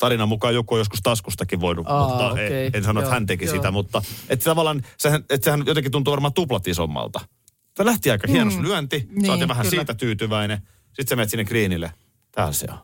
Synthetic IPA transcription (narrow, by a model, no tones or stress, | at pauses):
t̪ɑrinɑmukɑːjokuojoskust̪ɑskust̪ɑkiʋʋoinuuɑeensɑnːoet̪hænt̪ekisit̪æmut̪ːɑʔet̪ːt̪ɑʋɑlːˑɑːnsehænet̪sehænjot̪ekit̪unt̪uːʋɑrmɑːt̪uplɑt̪iso̰mːɑ̰lt̪ɑ | selæht̪iɑikɑhiænoslyænt̪iɑːt̪ːiʋæhænsiːt̪æt̪yːt̪yʋæine | sit̪semeːt̪sinːekriːnilːˑe | t̪æ̰ːlsḛo̰n